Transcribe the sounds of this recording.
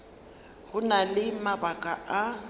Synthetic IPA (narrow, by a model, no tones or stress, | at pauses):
ɣʊnalɪmabakʼaʔa